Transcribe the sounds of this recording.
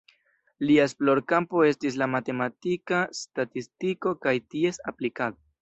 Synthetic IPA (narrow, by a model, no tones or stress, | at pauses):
liaesplo̞ɾkampo̞e̞stis̬lamate̞matikastatistiko̞kajtie̞saplikaðo